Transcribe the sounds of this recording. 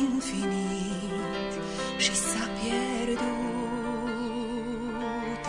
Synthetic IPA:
imfini | ment̪ | ʃisapːjɛ | ɾd̪u | t̪

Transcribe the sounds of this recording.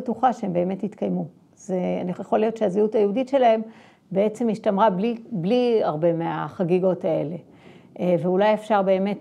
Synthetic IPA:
etuχaʃeembe̞ːme̞titkajmu | zea̰nijeχoljo̞tʃeaziutajeuditʃe̞laɦe̞m | bee̞t͡se̞mjiʃtamʁablibliaʁbe̞meaχaɡiɡo̞tae̞̰le̞ | veulajefʃaʁbe̞ːme̞t

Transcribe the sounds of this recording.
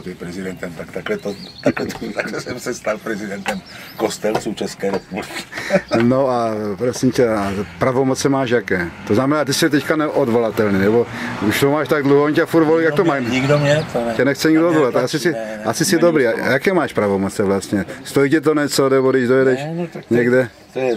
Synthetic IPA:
t̪ipɾɛzid̪ɛnt̪ɛmt̪akt̪aklɛt̪ot̪aklɛt̪ɔt̪akɛsɛmsɛst̪alpɾɛzid̪ɛnt̪ɛm | kost̪ɛlt͡sut͡ʃɛskɛɾɛpubliki̥noapɾosimcɛpɾavomot͡sɛmaːʃjakɛːt̪oznamɛnaːt̪isit̪ɛckanɛʔod̪volat̪ɛlniːnɛbouʃt̪omaːʃt̪aɡ̚d̪luɦɔoncafuɾt̪voliːj̪akkt̪omaːɲiɡdomɲɛcɛnɛxt͡sɛɲiɡdood̪volat̪aasisɪasɪsɪd̪obɾiːa̰jakɛːmaːʃpɾavomot͡sɛvlast̪ɲɛst̪oicɛt̪̬oɲɛt͡sonɛbodɪʒd̪ojɛdɛʃɲɛɡdɛ | t̪jɛ

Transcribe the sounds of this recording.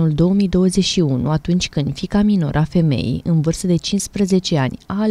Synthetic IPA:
nuld̪o̞omijd̪o̞wəze̞ʃiunṵat̪unt͡ʃʲkɨnd̪fikamino̞̰ɾʔafe̞me̞̰jḭjʔɨnvɨrst̪əd̪e̞t͡ʃinspɾəze̞t͡ʃe̞anʲaː

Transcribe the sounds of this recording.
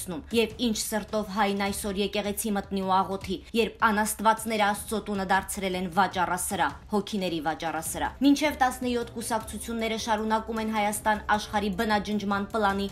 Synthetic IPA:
numjɛvint͡ʃʰsəɾt̪ɔvɦɑjnɑjsɔɾjɛkɛʁɛt͡sʰimət̪niuɑʁɔt̪ʰijɛɾpʰɑnɑst̪vɑt͡sn̪ɛɾəɑst̪t͡sɔt̪unəd̪ɑɾt͡sʰɾɛlɛnvɑt͡ʃɑrɑsəɾɑhɔkʰinɛɾivɑt͡ʃɑrɑsəɾɑ̰mint͡ʃʰɛvt̪ɑsnəjɔt̪ʰkusɑkt͡sʰut͡sʰjunːɛɾəʃɑɾunɑkumɛnɦɑjɑst̪ɑnɑʃχɑɾibənɑd͡ʒənd͡ʒmɑnplɑni

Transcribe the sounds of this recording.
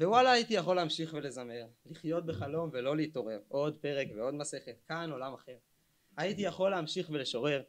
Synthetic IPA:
vewalaːjit̪ijaχo̞lːeamʃiχvele̞zame̞ʁliχjo̞t̪̚beχalo̞mvelo̞liit̪o̞ʁe̞ʁo̞dpe̞ʁekveo̞d̪mase̞χetkano̞lamaχe̞ʁ | ait̪ijaχo̞leamʃiχveleʃo̞ʁe̞ʁ

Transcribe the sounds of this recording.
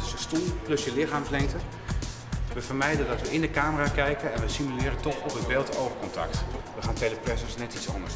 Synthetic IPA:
səstulˠplɵsjəlɪχaːmflɛŋk̚tə | ʋəvəɹmɛjdəndɑtʋəʔɪndəkaːməraːkɛjkənɛnʋəsimylɪːɾətɔχɔpɦədbɪlˠtowvəɹkɔntɑ̰ktʋəχaːnteləprɛsəsnɛtitsɑ̰ndəs

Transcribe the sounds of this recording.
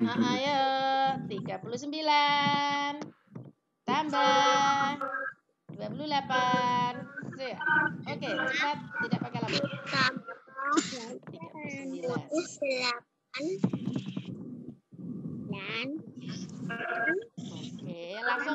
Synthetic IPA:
əʔəjət̪iɡapulus̬əmbila | n | t̪amba | duapululapansijʔoket͡ʃəpat̪̚t̪idaʔpakalaakamət̪aisbilaudlap̚an | ilan | okejalaŋsʊŋ

